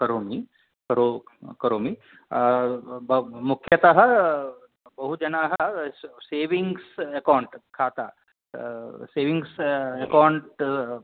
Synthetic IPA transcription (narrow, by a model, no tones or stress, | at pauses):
kɐɾoːmi | kɐɾokɐɾoːmi | mukʰjɐt̪ɐɦɐ | bɐɦud͡ʒɐnaːɦɐseːʋiŋɡsekawɳʈkʰaːt̪a̰ː | seːʋiŋɡsekawɳʈ